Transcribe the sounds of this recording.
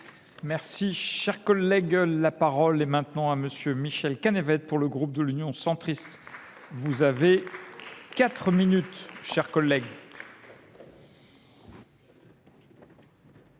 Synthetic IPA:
mɛʁsiʃɛʁkɔlːɛɡlapaʁɔlɛmɛ̃t̪nɑ̃aməsjømiʃɛlkanevɛt̪̚puʁləɡʁup̚d̪əlynjɔ̃sɑ̃t̪χist̪ | vuzave | kat̪χəminyt̪ʃɛʁkɔlːɛɡ

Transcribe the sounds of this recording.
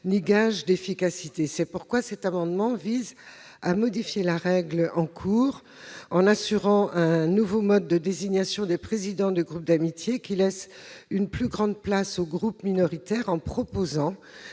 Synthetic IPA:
niɡaʒd̪efikasit̪esɛpuʁkwasɛt̪amɑ̃d̪mɑ̃viz | amɔd̪ifjelaʁɛɡlɑ̃kʰuːʁ | ɑ̃nasyʁɑ̃ʔɛ̃nuvomɔd̪ːəd̪eziɲjasjɔ̃d̪epχezid̪ɑ̃d̪yɡʁup̚d̪amit̪jekʲilɛsynplyɡʁɑ̃d̪̚plasoɡʁupminɔʁit̪ɛʁɑ̃pχɔpozɑ̃

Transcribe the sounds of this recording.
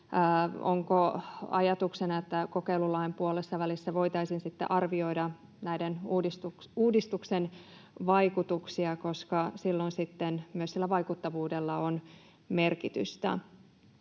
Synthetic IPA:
o̰ŋkoɑ̰jɑt̪uksenɑet̪ːækokeilulɑimpuolesːɑʋælisːæʋo̞jt̪ɑisinsit̪ːḛʔɑrʋio̞idɑ | næidenuːdist̪ukuːdist̪uksen | ʋɑikut̪uksiɑko̞skɑsilːonsit̪ːenmyøsilːæʋɑikut̪ːɑʋuːdelːɑon | merkit̪y̰st̪æ̰

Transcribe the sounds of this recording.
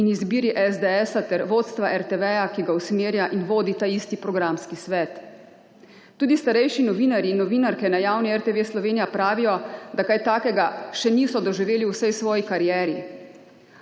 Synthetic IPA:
inizbiːɾiʔɛzd̪ɛɛːsat̪ɛɾʋoːt̪st̪ʋaʔɛɾt̪ɛʋɛjakiɡausmeːɾjaʔinʋoːd̪it̪aːist̪ipɾɔɡɾamskisʋɛːt̪ | uːd̪ist̪aɾɛjʃinɔʋiːnaɾjiːnːɔʋiːnaɾkɛnajaːwniɛɾt̪eʋeslɔʋeːnijapɾaːʋijɔd̪akajt̪aːkɛɡaʃɛnisɔd̪ɔʒiʋeːliwsɛjsʋɔːjikaɾijɛːɾi

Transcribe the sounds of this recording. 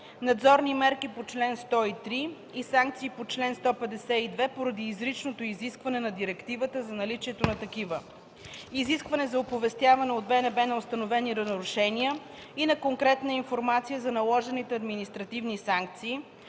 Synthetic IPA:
nɐd̪zɔɾnimɛɾkipot͡ʃlɛnst̪ɔit̪ɾi | isaŋk̚t̪siːpot͡ʃlɛnst̪ɔpɛd̪ɛsɛid̪vɛpoɾɐd̪iːzɾit͡ʃnot̪oiziskvɐnɛnɐd̪iɾɛkt̪ivət̪əzɐnɐlit͡ʃiɛt̪onɐt̪ɐkivə | iziskvɐnɛzɐopovɛst̪ʲjavɐnɛod̪bɛnɛbɛnɐost̪ɐnovɛniɾɐnɾʊʃɛniə | inɐkoŋkɾɛt̪nəinfoɾmat̪sijəzɐnɐlˠɔʒɛnit̪ɛɐd̪minist̪ɾɐt̪ivnisaŋk̚t̪siː

